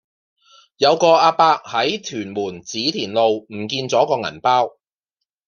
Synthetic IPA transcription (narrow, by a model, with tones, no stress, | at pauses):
jɐ˨˧wkɔː˧ʔaː˧paː˧k̚hɐ˨˥jt̪ʰyː˨˩nmuː˨˩nt͡siː˨˥t̪ʰiː˨˩nlo˨wm̩˨˩kiː˧nt͡sɔː˨˥kɔː˧ŋɐ̰˨˩npaː˥w